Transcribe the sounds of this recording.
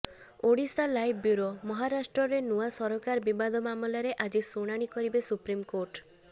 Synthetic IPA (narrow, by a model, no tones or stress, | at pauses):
oɽisalajbbjuɾomɔɦaɾasʈɾɔɾenuwasɔɾɔkaɾbibad̪ʱɔmamɔlaɾeʔad͡ʒisoɽ̃aɽ̃ikɔɾibesupɾimkoɾʈ